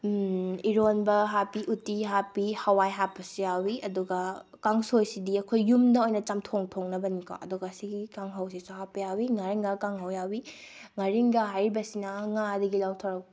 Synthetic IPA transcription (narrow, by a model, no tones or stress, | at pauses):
iɾonbɐɦapiʔutːiɦapihawajɦapːɐsijawiɐduɡɐkaŋsojsidiɐkʰojːumdɐojnɐt͡ʃɐmtʰoŋtʰoŋnɐbɐnikʰo̰ɐ̰duɡɐɐsiɡikaŋɦawsisuɦapːɐjawiŋaɾiŋɡakaŋɦawjawi | ŋaɾiŋɡɐɦajɾibɐsinɐŋadɐɡilawtʰaɾɐk̚pi